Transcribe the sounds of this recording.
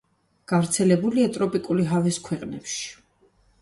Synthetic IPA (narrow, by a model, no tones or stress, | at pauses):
ɡ̥avɾt̪sʰɛlɛbuliat̪ʼɾɔpʼikʼuliɦavɛskʰwɛqʼnɛpʃi̥